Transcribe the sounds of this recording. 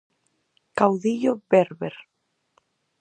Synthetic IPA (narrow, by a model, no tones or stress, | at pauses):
kawðiʎobeɾβeɾ